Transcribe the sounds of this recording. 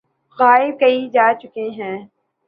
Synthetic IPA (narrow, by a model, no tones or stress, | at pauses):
ɣaːɪb̚kɐid͡ʒaːt͡ʃʊkeɦɛ̃ː